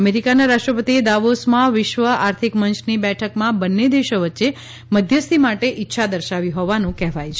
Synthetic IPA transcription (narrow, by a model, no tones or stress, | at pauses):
əmeɾikanaɾaʃʈɾəpət̪ied̪aʋosmãʋɪʃʋəaɾt̪ʰikmənt͡ʃʰnibɛʈʰəkmãbənːed̪eʃoʋətːʃe | məd̪ʱjəst̪ʰimaʈeʔitːʃʰad̪əɾʃaʋiɦɔʋanũkɛɦʋajt͡ʃʰ